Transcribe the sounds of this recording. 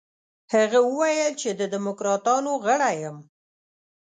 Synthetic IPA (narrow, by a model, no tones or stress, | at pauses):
haɣawəwajəlt͡ʃed̪əd̪ɪmʊkɾɑt̪ɑnoɣəɽajəm